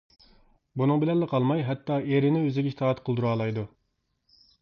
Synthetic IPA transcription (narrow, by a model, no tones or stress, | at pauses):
bunɨŋbɪlɛnlːɪqʰɑlˠmɑjɦɛt̪ːɑeɾɪnɪøzɪɡʲɛʃi̥t̪ʰɑːt̪qʰəlˠd̪uɾɑːlˠɑjd̪u